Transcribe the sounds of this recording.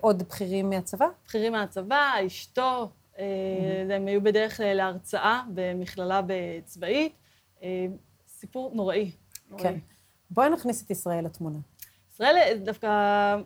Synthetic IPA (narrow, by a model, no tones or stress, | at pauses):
ʔo̞dbχiʁimːeat͡savab̥χiʁimːeat͡savaiʃto̞ | eemajube̞deʁeχklaleaʁt͡saʔabe̞miχlalabet͡svait̪ | e | sipuʁnoʁaʔi | oken | bonaχniset̪isʁae̞lat̪muna | isʁae̞ldafka